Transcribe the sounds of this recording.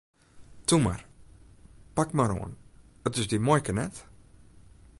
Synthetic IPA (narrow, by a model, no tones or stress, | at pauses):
tuma̰r | pakmaɾo̰ən | ətɪzdimɔjkənɛt